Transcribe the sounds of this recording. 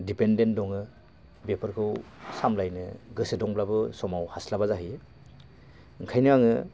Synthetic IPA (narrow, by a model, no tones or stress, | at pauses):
dipendendɔŋɯ | bepʰɯɾkʰɯwsamlajnɯɡɯsedɔŋblabɯsɔmawhaslabazaɦij | ɯŋkʰajnɯaŋɯ